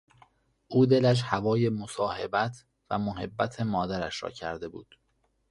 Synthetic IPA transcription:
ʔuːd̪e̞læʃ̬hævɒːje̞mosɒːhebæt̪ʰ | væ̰moɦe̞bːæt̪ʰe̞mɒːd̪æɾæʃɾɒ̰ːcʰæɾd̪e̞buːd̪̥

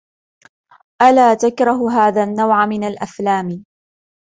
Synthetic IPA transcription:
ʔalaːt̪akɾˤɑɦɦaːðaːnːawʕamɪnalʔaflaːm

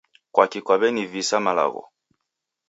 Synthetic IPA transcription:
kwakikwaβɛnivisamala̰ɣɔ̰

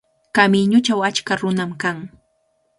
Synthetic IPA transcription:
kamɪɲʊt͡ʃawat͡ʃkaɾʊnamkaŋ

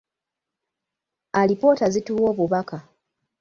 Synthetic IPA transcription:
alipo̞ːtazituːwoːβuβaka

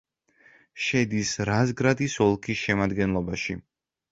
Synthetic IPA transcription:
ʃɛd̪isɾazɡɾad̪isɔlˠkʰisʃɛmad̪ɡɛnlˠɔbaʃi

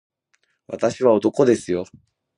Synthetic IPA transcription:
βa̰t̪aɕiβao̞t̪o̞ko̞d̪e̞sɨjo̞

